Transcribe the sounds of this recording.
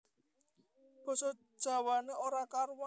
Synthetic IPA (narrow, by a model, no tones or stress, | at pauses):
b̥ɔ̤sɔ̥ʒ̥ä̤waneʔoɾakarwa